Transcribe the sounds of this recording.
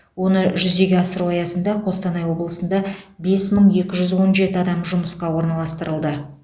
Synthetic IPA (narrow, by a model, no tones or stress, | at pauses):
wo̞nəʒʏzd̪e̞ɡʲeɑsəɾuɑjɑsənd̪ɑqʰo̞st̪ɑnɑjwo̞blˠəsənd̪ɑbe̞sməɴje̞kʲɪʒʏzwo̞nʒe̞t̪ɪɑd̪ɑmʒʊməsqɑwo̞ɾnɑlˠɑst̪əɾəlˠd̪ə